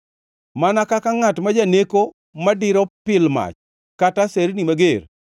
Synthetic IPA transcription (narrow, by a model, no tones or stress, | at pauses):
manakakaŋatmad͡ʒaneko | madɪɾɔpɪlma̰t͡ʃ | kataseɾnimaɡeɾ